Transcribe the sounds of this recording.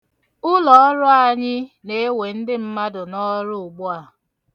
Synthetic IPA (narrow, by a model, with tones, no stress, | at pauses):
ʊ˦lɔ˨ɔ˦ɾʊ˦a˨ɲɪ˦ne˨˦we˨n̩˦dɪ˦m̩˦ma˦dʊ˨nɔ˦ɾʊ˦ʊ˨ɡ͡bʊ˦a˨